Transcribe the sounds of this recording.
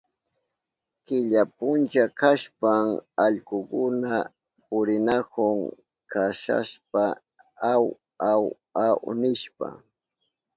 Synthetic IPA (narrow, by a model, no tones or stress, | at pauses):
kɪʎapʊnt͡ʃakaʃpaŋaʎkʊkʊna | pʊɾɪnakʊŋ | kʰaʃa̰ʃpa | aw | aw | awnɪʃpa̰